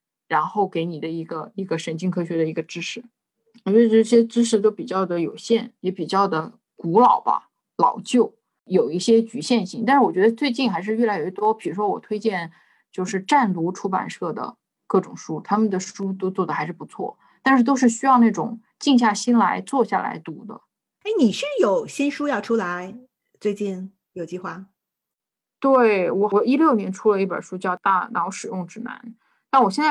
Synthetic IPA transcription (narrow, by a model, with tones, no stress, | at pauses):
ɻa˧˥nxo˥˩ʊke˧˥ɪni˨˩d̪ə˦i˧˥ɡə˧i˧˥ɡə˧ʂə˧˥nt͡ɕi˥ŋkʰɤ˥ɕɥɛ˧˥d̪ə˧i˧˥ɡə˧ʈ͡ʂɻ̩˥ʂɻ̩˥˩ | wt͡ɕɥɛ˧˥ə˧˥ʈ͡ʂʈ͡ʂɻ̩˥ʂ̬ɻ̩˧˥˩t̪̬o˥ʊpi˨˩t͡ɕjɑ˥˩ʊd̪ə˩jo˨˩ʊɕjɛ˥˩njɛ˧˥pi˨˩t͡ɕjɑ˥˩ʊd̪ə˩ | ku˧˥lɑ˨˩ʊbɐ̰˦ | lɑ̰˨˩ʊt͡ɕjo˥˩ʊ | jo˨˩ʊi˥˩ɕjɛ˥t͡ɕy˧˥ɕjɛ˥˧nɕi˥˩ŋt̪a˥˧ʂɻ̩˥˩wɔ˨˩t͡ɕɥɛ˧˥d̪ə˧t͡swe˥˧ɪt͡ɕi˥˩nxa˧˥ɪʂɻ̩˧ɥɛ˥˩la˧˥ɪo˨˩ɥɛ˥˩t̪wɔ˥pi˨˩ɻu˧˥ʂwɔ˥wɔ̰˨˩t̪ʰwe˥ɪt͡ɕjɛ˥˧n | t͡ɕjo˥˧ʊʂɻ̩˥˧ʈ͡ʂa˥˩nlu˧˥ʈ͡ʂʰu˥pa̰˨˩nʂɤ˥˩d̪ə̰˩ | kɤ˥˩ʈ͡ʂʊ˨˩ŋʂu˥t̪ʰa˥mə˨nd̪ə˩ʂu˥t̪o˥ʊt͡swɔ˥˩d̪ə˩xa˧˥ɪʂɻ̩˥˩pu˧˥t͡sʰwɔ̰˥˩ | t̪a˥˧nʂɻ̩˥˩t̪̬o˥ʊʂɻ̩˥˩ɕy˥jɑ˥˧ʊna˥˩ʈ͡ʂʊ̰˨˩˦ŋ | t͡ɕi˥˧ŋɕ̬ja˥˩ɕi˥nla˧˥ɪt͡swɔ˥˧ɕja̰˥˩la̰˧˥ɪt̪u˧˥d̪ə̰˧ | e˥˩ɪni˨˩ɕy˥˩jo˨˩ʊɕi˥nʂu˥jɑ˥˩ʊʈ͡ʂʰu˥la˧˥ɪ | t͡swe˥˧ɪt͡ɕi˥˩n | jo˨˩ʊt͡ɕi˥˧xwa˥˩ | t̪we˥˩ɪwɔ˨˩ɔ˨˩i˥ljo˥˩ʊnjɛ˧˥nʈ͡ʂʰu˥lə˧i˥˩pə̰˞˨˩ʂu˥t͡ɕjɑ˥˧ʊt̪a˥˩nɑ˧˥ʊʂɻ̩˨˩jʊ˥˩ŋʈ͡ʂɻ̩˥˩na̰˧˥n | na˥˩wɔ˨˩ɕjɛ˥˧nt͡sa˥˩